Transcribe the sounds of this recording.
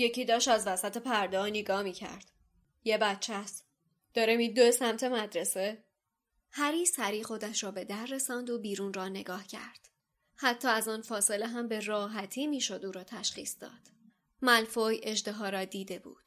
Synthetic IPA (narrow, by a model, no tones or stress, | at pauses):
je̞cʰiːd̪ɒːʃt̪æzvæsæt̪ʰe̞pʰæɾd̪ɒːneɡɒːmiːcʰæ̰ɾd̪̥ | jebætt͡ʃʰæst̪ | d̪̥ɒːɾemiːd̪oesæmt̪ʰe̞mæd̪ɾese̞ | hæɾiːsæɾiːxo̞d̪æʃɾɒːbe̞d̪æɾːe̞sɒːnd̪obiːɾuːnrɒːne̞ɡɒːhcʰæ̰ɾd̪̥ | hæt̪ʰːɒːæzɒːnfɒːse̞leɦæmbe̞rɒːɦæt̪ʰiːmiːʃo̞d̪uːɾɒːt̪ʰæʃχḭːsd̪ɒ̰ːd̪̥ | mælfoːje̞ʒd̪eɦɒːɾɒːd̪iːd̪e̞bṵːd̪̥